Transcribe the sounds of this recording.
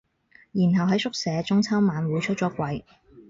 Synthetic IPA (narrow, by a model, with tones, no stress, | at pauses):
jiː˨˩nɦɐ˨wɦɐ˨˥jsʊ˥k̚sɛː˨˧t͡sʊ˥ŋt͡sʰɐ˥wmaː˨˧nwuː˨˧˥jt͡ʃʰɵ˥t̚t͡ʃɔː˨˥kʷɐ˨˧j